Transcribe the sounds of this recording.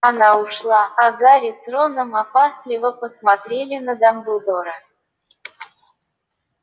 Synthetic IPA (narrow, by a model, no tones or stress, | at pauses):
ɐnaʊʂlˠaaɡaɾʲɪsronəmapast̪lʲɪvəpəsmat̪ɾʲelʲɪnəd̪ambʊd̪oɾə